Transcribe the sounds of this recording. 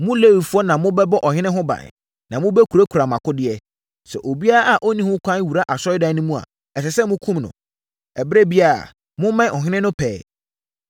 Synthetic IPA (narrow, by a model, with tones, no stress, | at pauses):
mʊ̃˦le˦wi˨fu˦ɔ˦nã˨mʊ̃˦bɛ˦bɔ˦ʔɔ˨hɪ̃˦nɪ̃˦ɦʊ̃˦bã̰˨n˨ | nã˨mʊ̃˦bɛ˦kʰu˨ɾa˦kʰu˨ɾa˨mã˨kʰʊ˦dɪ˦ɛ˦ | sɛ̰˨ʔo˨bi˦a˦ɾa˦ʔa˨ʔo˦nĩ˦hʊ̃˦kʰʷã˦n˦wu˨ɾa˦ʔa˨sɔ˦ɪ˦dã˦nʊ̃˦mũ˦a̰˨ | ɛ˨sɛ˨sɛ˦mʊ̃˦kʰũ˦mnʊ̰̃˨ | ɛ˨bɪ˦ɾe˦bi˦a˦˨ɾa̰˨ | mʊ̃˦mã˦˨ɔ˨ɦɪ̃˦nɪ̃˦nʊ̃˦pʰɛː˨